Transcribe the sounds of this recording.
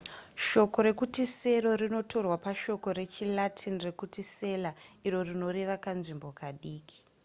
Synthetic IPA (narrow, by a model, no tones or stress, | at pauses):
ʃo̞ko̞ɾe̞kutise̞ɾo̞rino̞to̞rwapaʃo̞ko̞ɾe̞t͡ʃilatʰinre̞kutise̞laiɾo̞rino̞ɾeʋakanʐimbo̞kaɗiːki̥